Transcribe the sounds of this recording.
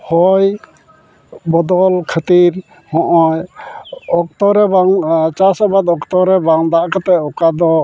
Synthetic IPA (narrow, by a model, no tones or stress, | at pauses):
hɔj | bɔd̪ɔlkʰət̪iɾ | hɔ̃ʔɔj | ɔkt̪ɔɾɛbaŋt͡ʃasabad̪ɔkt̪ɔɾɛbaŋd̪aʔakat̪ɛʔɔkad̪ɔ